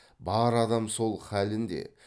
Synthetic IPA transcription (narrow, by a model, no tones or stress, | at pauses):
bɑɾɑd̪ɑmso̞lˠχælɪnd̪e̞̰